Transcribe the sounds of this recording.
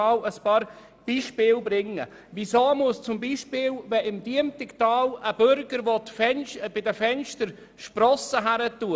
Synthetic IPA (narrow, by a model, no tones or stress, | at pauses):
ɑwəspɑːɾ | b̥iːʃpɪːlbɾɪŋːə̰ | visoːmuəst͡sʊmbiːʃpɪːlvɛɪmdiəmtɪktɑːləbʏɾɡəɾʋotfɛnʃb̥ɪdəfɛnʃtəɾ | ʃpɾɔsəɦæɾətu